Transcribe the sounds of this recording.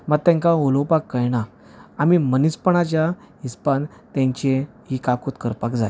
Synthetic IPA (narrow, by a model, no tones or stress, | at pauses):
məɡ̚t̪ɛ̃ŋkaolopakːəjnaː | mimənispəɳat͡ɕja | ispãnt̪ẽɲt͡ɕe | ɦikakot̪kəɾpakd͡zaj